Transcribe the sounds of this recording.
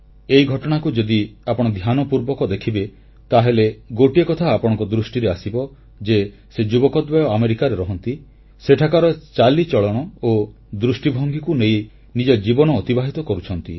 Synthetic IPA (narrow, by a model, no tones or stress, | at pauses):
ejɡʱɔʈɔɽ̃akud͡ʒɔd̪iapɔɽ̃ɔd̪ʱjanɔpuɾbɔkɔd̪ekʰibe | t̪aɦeleɡoʈiekɔt̪ʰaːpɔɽ̃ɔŋkɔd̪ɾusʈiɾeasibɔ | d͡ʒe | sed͡ʒubɔkɔd̪bɔjɔameɾikaɾeɾɔɦɔnt̪i | seʈʰakaɾɔt͡ʃalit͡ʃɔɭɔɽ̃ɔo | d̪ɾusʈibʱɔŋɡikunej | nid͡ʒɔd͡ʒibɔnɔːt̪ibaɦit̪ɔkɔɾut͡ʃʰɔnt̪ḭ